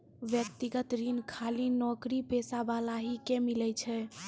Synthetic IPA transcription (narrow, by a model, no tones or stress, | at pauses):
ʋjək̚t̪iɡət̪ɾinkʰalinɔkɾipesabalaɦikemilɛt͡ʃʰɛ